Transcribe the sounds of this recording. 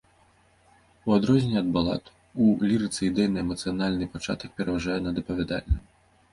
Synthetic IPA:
uad̪ɾɔzʲnʲɛɐd̪̚balˠa̰t̪ | ulʲiɾɨt̪sɨid̪ɛjnɐɛmɐt̪sɨjanalʲnɨpat͡ʂa̰t̪ɐk̚pʲɛɾɐvaʐajɛnɐd̪ɐpɐvʲɛd̪a̰lʲnɐ

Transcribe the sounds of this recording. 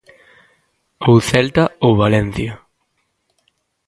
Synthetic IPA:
owθɛlt̪aowβalɛn̟θja

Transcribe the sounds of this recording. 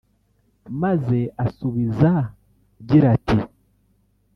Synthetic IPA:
maze̞asuβiza | ɟiɾati

